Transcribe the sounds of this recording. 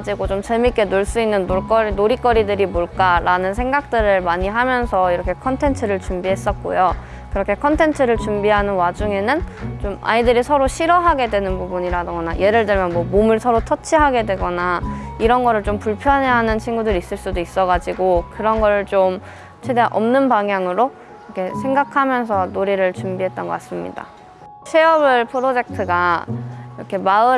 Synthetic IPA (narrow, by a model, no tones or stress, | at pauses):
d͡ʑiɡot͡ɕomt͡ɕemik͈e̞noɭs͈uinːɯnːok͈ʌɾnoɾik͈ʌɾidɯɾimoɭk͈aɾanɯns̬ʰe̞ŋɡak̚t͈ɯɾɯɭmaɲiɦamjʌnsʰʌiɾʌkʰe̞kʰʌntʰe̞ntʰɯɾɯɭt͡ɕumbiɦe̞s͈ʌt̚k͈o̰jo | kɯɾʌkʰe̞kʰʌntʰe̞ntʰɯɾɯɭt͡ɕumbiɦanɯnwad͡ʑuŋe̞nɯnt͡ɕoma̰idɯɾisʰʌɾoɕʰiɾʌɦaɡe̞dwe̞nɯnbubuɲiɾadɯŋɡʌnajʔe̞ɾɯɭdɯɭmjʌnmwʌmomɯɭsʰʌɾotʰʌt͡ɕʰiɦaɡe̞dwe̞ɡʌnaiɾʌnɡʌɾɯɭt͡ɕompuɭpʰjʌnɦeɦanɯnt͡ɕʰiŋɡudɯɾis͈ɯɭs͈udois͈ʌɡad͡ʑiɡokɯɾʌnɡʌɾɯɭt͡ɕom | t͡ɕʰedeʔʌmnɯnpaŋɦjaŋɯɾo | ʌkʰe̞sʰe̞ŋɡakʰamjʌns̬ʰʌnoɾiɾɯɭt͡ɕumbiɦe̞t̚t͈ʌnɡʌk͈as͈ɯmɲḭda̰ | sʰe̞ʌbɯɭpʰodod͡ʑek̚tʰɯɡa | iɾʌkʰe̞maɯ